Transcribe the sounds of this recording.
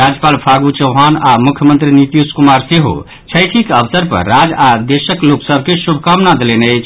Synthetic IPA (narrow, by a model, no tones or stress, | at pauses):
ɾad͡ʒjəpalpʰaɡut͡ʃəʊɦanamukʰjəmə̃nt̪ɾinit̪juskumaɾseɦo̰ | t͡ʃʰəjʈʰikəbsəɾpə̰ɾːad͡ʒad̪esəklopsəbʱkesubʱkamnad̪elenəɪt͡ʃʰ